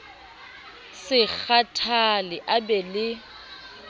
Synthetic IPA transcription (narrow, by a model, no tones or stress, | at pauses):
sɪk͡xʰatʰalɪʔabɛlɪ